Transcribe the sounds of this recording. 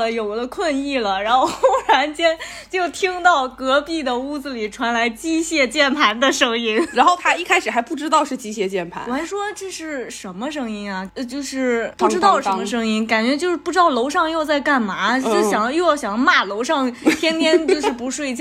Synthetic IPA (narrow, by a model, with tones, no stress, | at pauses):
ə˧jo˨˩ʊ˧˩d̪ə˦kʰwə˥˧ni˥˩lə˩ɻa˧˥nxo˥˧ʊ˥ɻa˧˥nt͡ɕjɛ˥n | t͡ɕjo˥˩ʊt̪ʰi˥ŋt̪ɑ˥˩ʊkɤ˧˥pi˥˩d̪ə˩u˥˩d͡zɹ̩˩li˨˩ʈ͡ʂʰwa˧˥nla˧˥ɪt͡ɕi˥ɕjɛ˥˧t͡ɕjɛ˥˩npʰa˧˥nd̪ə˧ʂɤ˥ŋi˥nɻa˧˥nxo˥˩ʊt̪ʰa˥i˥˩kʰa˥ɪʂɻ̩˨˩xa˧˥ɪpu˥˩ʈ͡ʂɻ̩˥t̪ɑ˥˧ʊʂɻ̩˥˧t͡ɕi˥ɕjɛ˥˧t͡ɕjɛ˥˩npʰa̰˧˥nwɔ˨˩a˧˥ɪʂwɔ˥ʈ͡ʂɤ˥˧ʂɻ̩˥˩ʂə˧˥nmə˧ʂɤ˥ŋi˥nɐ˩˧t͡ɕjo˥˧ʊʂɻ̩˥˩pu˥˩ʈ͡ʂɻ̩˥t̪ɑ˥˩ʊʂə˧˥mə˧ʂɤ˥ŋi˥nka˨˩nt͡ɕɥɛ˧˥t͡ɕjo˥˧ʊʂɻ̩˥pu˥ʈ͡ʂɻ̩˥ɑ˥˩ʊlo˧˥ʊʂɑ˥˧ŋjo˥˧ʊt͡sa˥˧ɪka˥˩nma˧˥˧ɕjɑ˨˩ŋjo˥˧jɕjɑ˨˩ŋma˥˩lo˧˥ʊʂɑ˥˧ŋt̪ʰjɛ˥nt̪ʰjɛ˥nt͡ɕjjo˥˧ʊʂɻ̩˥˩pu˧˥ʂwe˥˧ɪt͡ɕ